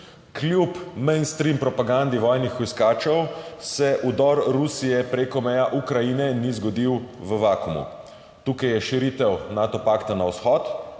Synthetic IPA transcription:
klʲjupmɛjnst̪ɾimpɾɔpaɡand̪iʋɔːjnixɔjskaːt͡ʃɛwsɛʔud̪ɔɾɾusijɛpɾekɔmɛjaʔukɾajinɛnizɡɔd̪iwʋəʋakumṵ | t̪uːkajɛʃiɾiːt̪ɛwnaːt̪ɔpaːkt̪anawsxɔt̪

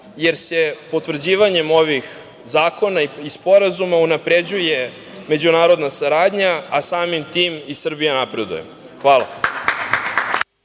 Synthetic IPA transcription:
jeɾse̞po̞t̪ʋr̩d͡ʑiːʋaɲe̞mo̞ʋix | zaːko̞naiispo̞ɾazumaunapɾe̞d͡ʑuje̞ | me̞d͡ʑunaːɾo̞d̪nasaɾaːd̪ɲaasaːmimt̪iːmisr̩bijanapɾe̞d̪ṵjem | xʋaːlˠa̰

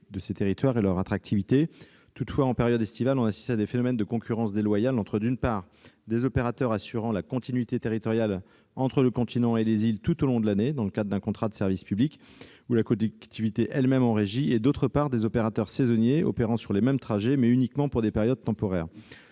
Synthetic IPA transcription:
d̪əset̪eʁit̪waʁelœʁat̪χak̚t̪ʰivit̪e | t̪ut̪fwaɑ̃peʁjɔd̪ɛst̪ivalɔ̃nasi̥st̪ad̪efenɔmɛnd̪əkɔ̃kʲyʁɑ̃sd̪elwajalɑ̃t̪χəd̪ynpaːʁ | d̪ezɔpeʁat̪œʁasyʁɑ̃lakɔ̃t̪inɥit̪et̪eʁit̪ɔʁjal | ɑ̃t̪χələkɔ̃t̪ʰinɑ̃elezilt̪ut̪olɔ̃d̪əlaned̪ɑ̃ləkad̪ʁəd̪ɛ̃kɔ̃t̪χad̪əsɛʁvispyblik | ulakɔlɛk̚kt̪ʰivit̪eʔɛlmɛmɑ̃ʁeʒied̪ot̪χəpaʁd̪ezɔpeʁat̪œʁsezɔnjeɔ̰peʁɑ̃syʁlemɛmt̪χaʒemɛynikmɑ̃puʁd̪epɛʁjɔd̪̚t̪ɑ̃pɔʁɛːʁ

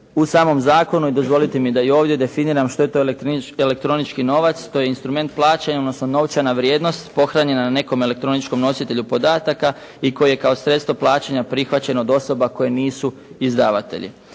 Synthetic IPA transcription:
usaːmo̞mzaːko̞nuid̪o̞zʋo̞lit̪emid̪aio̞ːʋd̪jed̪e̞finiːɾamʃt̪o̞je̞t̪o̞eele̞k̚t̪ɾo̞nit͡ʃkino̞ʋat̪st̪o̞je̞inst̪ɾume̞nt̪̚plˠaːt͡ɕeɲaod̪nosno̞no̞wt͡ʃanaʋɾje̞ːd̪no̞st̪po̞xɾaɲe̞nanane̞ko̞me̞le̞k̚t̪ɾo̞nit͡ʃko̞mno̞sit̪e̞ʎupo̞d̪aːt̪aka | iko̞jjekaosɾet̪st̪ʋoplˠaːt͡ɕeɲapɾixʋat͡ɕenod̪o̞so̞bako̞je̞niːsu | izd̪aːʋat̪ḛʎḭ

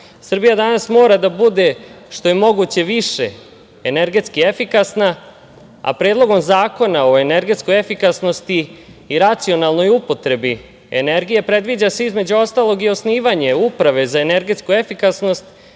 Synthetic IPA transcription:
sr̩bijad̪anasmo̞ːɾad̪abud̪e̞ | ʃt̪o̞je̞mo̞ɡut͡ɕe̞ʋiʃe̞̰ | ene̞ɾɡe̞t̪skiefikasna | a̰pɾeːd̪lˠo̞ɡo̞mzaːko̞nao̞e̞ne̞ɾɡe̞t̪sko̞jefikasno̞st̪iːɾat̪sio̞nalˠno̞jupo̞t̪ɾe̞bi | ḛne̞ɾɡije̞pɾe̞d̪ʋiːd͡ʑase̞izme̞d͡ʑuo̞st̪aːlˠo̞ɡio̞sniːʋaɲe̞upɾaʋe̞zaene̞ɾɡet̪skue̞fikasno̞st̪

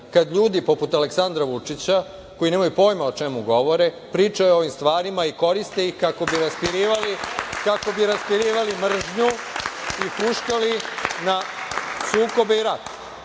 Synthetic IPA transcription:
kad̪ʎuːd̪ipo̞put̪aleksand̪ɾaʋut͡ʂit͡ɕa | ko̞jineːmajupo̞ːjmao̞t͡ʃemuɡo̞ʋo̞ɾe | pɾiːt͡ʃajeo̞ʋimst̪ʋaːɾimaiko̞ɾist̪eixkako̞biɾaspiɾiːʋalikako̞biɾaspiɾiːʋalimr̩ʒɲu | ipuʃkalinasuːko̞beiɾat̪

